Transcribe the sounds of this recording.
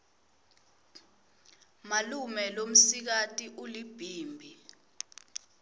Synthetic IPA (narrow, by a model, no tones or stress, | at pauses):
malumɛlom̩sik̬atʼiʔulib̥ʱiːmbʱi